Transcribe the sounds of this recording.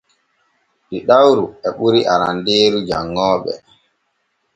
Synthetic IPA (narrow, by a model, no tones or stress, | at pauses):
ɗiɗawɾuɛɓuɾiʔaɾandeːɾud͡ʒaŋːɔːɓɛ̰